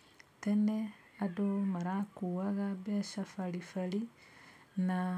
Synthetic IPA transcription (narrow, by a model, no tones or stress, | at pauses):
tene | adomaɾakuwaɣabeʃafalifali | na